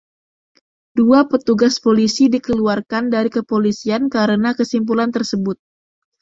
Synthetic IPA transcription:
duapət̪uɡaspolisidikəluarkandaɾikəpolisiankaɾənakəsimp̬ulant̪ərsəbʊt̪̚

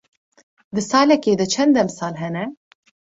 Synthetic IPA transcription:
d̪ɨsɑːlɛkeːd̪ɨt͡ʃʰɛnd̪ɛmsɑːlɦɛnɛ

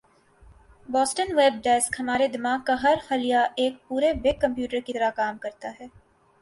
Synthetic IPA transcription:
bɔːsʈənʋeːb̚ɖɛːskɦɐmaːɾed̪ɪmaːɡkaɦɐɾhɐlijaʔeːk̚puːɾebɪɡ̚kɐ̃mpjuːʈəɾkit̪ɐɾakaːmkɐɾt̪aɦɛː

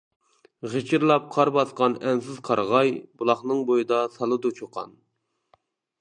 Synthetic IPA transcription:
ʁet͡ʃʰɪɾlˠɑp̚qʰɑɾbɑsqɑnɛnsɪz̥qʰɑɾʁɑjbulˠɑχnɨŋbojɨd̪ɑsɑlˠɨd̪ut͡ʃʰoqʰɑ̰n

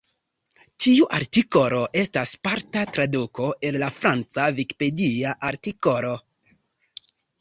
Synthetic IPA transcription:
tiuʔaɾtiko̞ɾo̞ʔe̞staspaɾtatɾaduko̞ʔe̞llafɾant͡saviki̥pe̞diaʔaɾtiko̞ɾo

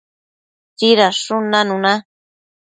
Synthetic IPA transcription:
tiɾaʂunãnũnã

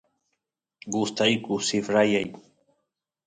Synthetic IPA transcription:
ɡʊst̪ajkʊsifɾajajkʊ̥

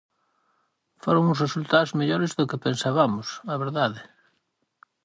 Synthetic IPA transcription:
foɾoŋʊsresult̪aozmeʎoɾɪzðʊkɪpensaβamʊsaβeɾðaðɪ

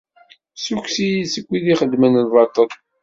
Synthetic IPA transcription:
sukʷsijisəkʷːiðiχəd̪mənəlvˤɑt̪ˤːəðˤ

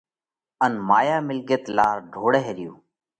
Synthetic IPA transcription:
ənmaːjaːmɪlɡət̪laːɾɖʱoːɽeɦeːɾɪjuː

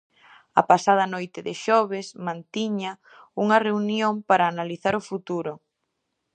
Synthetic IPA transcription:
ɐ̰pasað̞ɐnojt̪ɪðɪʃɔβɪsmãnt̪iɲɐ | uŋɐreunjompaɾaːnaliθaɾʊfut̪uɾʊ

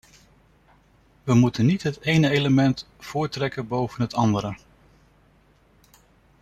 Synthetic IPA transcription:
ʋəmutənitɦətejnəejləmɛnt | fʊːɹtrɛkənbowvənɦətɑndəɾə

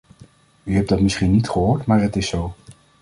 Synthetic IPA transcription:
yɦɛp̚dɑtmɪsχinːitχəɦoːɹtmaːɹɦətɪsow

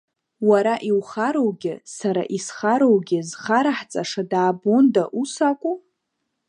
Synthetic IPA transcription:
waɾaʔiwχaɾowɡʲɪsaɾa̰ʔisχaɾowɡʲɪzχaɾaħt͡sʼaʂadaːbondaʔusakʷʼu

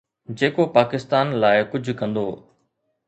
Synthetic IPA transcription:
d͡ʑeːkopaːkɪst̪aːnlaːɪkʊd͡ʑʱʊkɐ̃nd̪oː

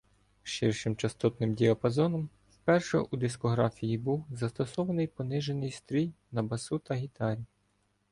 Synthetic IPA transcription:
ʃɪrʃɪmt͡ʃɐst̪ɔt̪nɪmdʲiɐpɐzɔnɔm | wpɛrʃɔ̰ʔud̪ɪskɔɦɾɑfʲijibuwzɐst̪ɔsɔʋɐnɪjpɔnɪʒenɪjst̪ɾʲijnɐbɐsut̪ɐɦʲit̪ɑɾʲi

